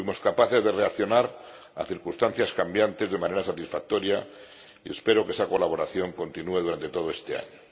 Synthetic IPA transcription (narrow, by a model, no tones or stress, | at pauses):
wimo̞skapaθe̞zðe̞re̞akθjo̞naɾ | a̰θiɾkunst̪an̟θjaskambjant̪e̞zðemãne̞ɾasat̪isfak̚t̪o̞ɾja | ie̞spe̞ɾo̞kesako̞laβo̞ɾaθjo̞ŋko̞nt̪inue̞ðuɾant̪e̞t̪o̞ð̞oest̪e̞a̰ɲo